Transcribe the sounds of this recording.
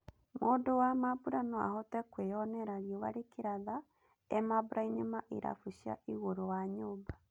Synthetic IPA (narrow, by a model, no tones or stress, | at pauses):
moːdowamabuɾanɔa̰hɔtɛkweɔnɛɾaɾjɔβaɾekeɾaða | ɛmabuɾʔaiɲemaʔḭɾa̰fuɕia̰iɣoɾowaɲoːba